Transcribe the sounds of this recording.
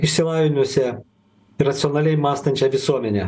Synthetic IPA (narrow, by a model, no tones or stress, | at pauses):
ɪʃʲsʲɪlˠɑːʋʲɪnʲuɔsʲɛ | iɾɐt̪sʲɪɔnɑːlʲɛjmɑːst̪ɐnʲt͡ʃʲɛʋʲɪsuɔmʲɛnʲɛ